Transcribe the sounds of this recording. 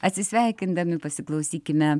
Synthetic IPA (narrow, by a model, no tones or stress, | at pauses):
ɐt̪ʲsʲɪsʲʋʲæːjkʲɪnd̪ɐmʲɪpɐsʊklˠɐwsʲiːkʲɪmʲɛ